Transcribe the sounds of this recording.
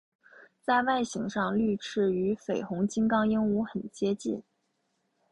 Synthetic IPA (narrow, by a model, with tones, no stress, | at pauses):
t͡sa˥˧ɪwa˥˩ɪɕi˧˥ŋʂɑ˥˧ŋly˥˧ʈ͡ʂʰɻ̩˥˩y˧˥fe˨˩ɪxʊ˧˥ŋt͡ɕi˥nkɑ˥ŋi˥ŋu˧˥xə˨˩nt͡ɕjɛ˥t͡ɕḭ˥˩n